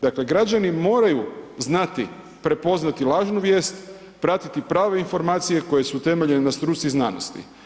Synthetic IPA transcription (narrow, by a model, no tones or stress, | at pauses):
d̪akle̞ɡɾad͡ʑanimo̞ːɾajuznat̪i | pɾe̞po̞znat̪ilˠaːʒnuʋje̞ːst̪ | pɾat̪it̪ipɾaːʋe̞info̞ɾmaːt̪sije̞ko̞je̞sut̪e̞me̞ʎe̞nenast̪ɾut̪siznaːno̞̰st̪ḭ